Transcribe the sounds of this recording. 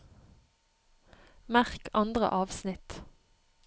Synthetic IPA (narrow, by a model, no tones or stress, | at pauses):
mæʁkʰɑnd̪ʁə̰ʔɑːʋsnɪt̪